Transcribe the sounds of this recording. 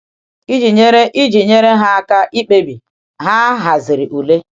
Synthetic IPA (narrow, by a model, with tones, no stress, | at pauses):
i˦d͡ʒi˨ɲe˦ɾe˦ʔi˦d͡ʒi˨ɲe˦ɾe˦ɦa˦ka˦ʔi˦k͡pe˦bi˨ | ɦa˦ɦa˨zɪ˨ɾi˨ʔu˨le˦